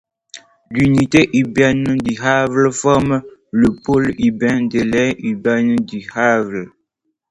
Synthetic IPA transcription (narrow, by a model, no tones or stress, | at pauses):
lyniteʔibɛnədiɦavləfɔmələpolibɛ̃delɛibɛndihavl